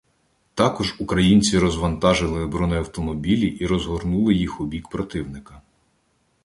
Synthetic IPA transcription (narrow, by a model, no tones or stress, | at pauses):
t̪ɑkɔʒukɾɐjinʲt͡sʲiɾɔzʋɐnt̪ɑʒɪlˠɪbɾɔnɛjɐwt̪ɔmɔbʲilʲiʔiɾɔzɦɔrnulˠɪjixʊbʲikpɾɔt̪ɪwnɪkɐ